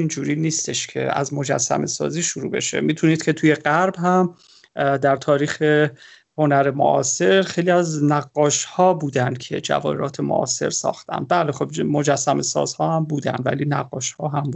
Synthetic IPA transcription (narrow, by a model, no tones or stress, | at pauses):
ind͡ʒuːɾiːniːst̪e̞ʃcʰe̞̰æ̰zmo̞d͡ʒæ̰sːæ̰me̞sɒ̰ːziːʃuɾuːbe̞̰ʃe̞̰miːt̪ʰuniːd̪̥̚kʰʲe̞t̪ʰuːje̞ɢæɾbhæm | d̪æɾt̪ʰɒːɾiːxe̞ | ho̞næɾe̞mo̰ʔɒːse̞ɾxejliːæznæɡːɒːʃhɒːbuːd̪ænd̪̥cʰe̞̰d͡ʒæ̰vɒ̰ːeɾɒːt̪ʰemo̰ʔɒ̰ːse̞̰ɾsɒ̰ːxt̪æ̰nd̪̚bæːlexobmo̞d͡ʒæsːæme̞sɒ̰ːz̥hɒːhæmbuːd̪æ̰nd̪væ̰liːnæɡːɒːʃhɒːɦæmb̪